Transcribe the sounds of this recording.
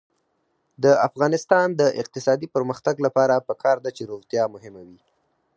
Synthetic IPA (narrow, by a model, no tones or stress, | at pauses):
d̪əafɣɑnɪst̪ɑnd̪əʔɪq̚t̪ɪsɑd̪ipəɾməxt̪aɡlapɑɾapəkʰɑɾd̪at͡ʃeɾoɣt̪jɑmʊɦɪmawi